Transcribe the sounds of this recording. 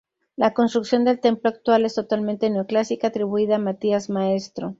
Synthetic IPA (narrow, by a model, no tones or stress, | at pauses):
lako̞nst̪ɾuksjo̞nd̪e̞lt̪e̞mploak̚t̪wale̞st̪o̞t̪alment̪e̞neoklasikaːt̪ɾiβuiðaːmat̪iazmae̞st̪ɾo̞